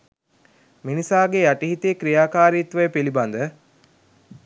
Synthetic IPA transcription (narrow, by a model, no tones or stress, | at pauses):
minisaːɡeaʈiɦit̪iːkɾijaːkaːɾit̪ʋəjepilibɐnd̪ə